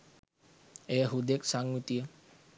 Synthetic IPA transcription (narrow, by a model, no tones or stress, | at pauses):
eɦud̪eksaŋut̪iə